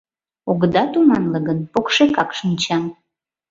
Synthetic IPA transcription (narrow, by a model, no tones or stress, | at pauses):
oɣd̪ɑt̪umɑnləɣənpokʃekɑkʃənt͡ɕɑm